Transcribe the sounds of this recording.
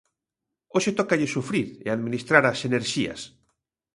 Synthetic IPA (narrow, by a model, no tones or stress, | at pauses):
oʃet̪okaʎɪsufɾiɾḛaðmĩnist̪ɾaɾaseneɾʃia̰s